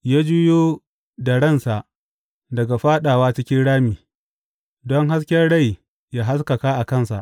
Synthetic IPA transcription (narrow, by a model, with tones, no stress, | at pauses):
jaː˦d͡ʒʊ˦joː˦ | dɐ˨ɽɐ˦˨nsa˨ʔ | dɐ˨ɡa˨ɸaː˦ɗaː˨waː˦t͡ʃɪ˦kʲɪ˦nɽaː˦miː˨ | dɔ˦ŋɦa˦skʲɛ˦rɽa˦˨j | jaː˦ɦa˦ska˨kaː˦ʔa˨kɐ˦˨nsa̰˨ʔ